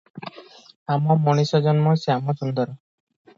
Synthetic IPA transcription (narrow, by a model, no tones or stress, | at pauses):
amɔmɔɽ̃isɔd͡ʒɔnmɔseamɔsund̪ɔɾɔ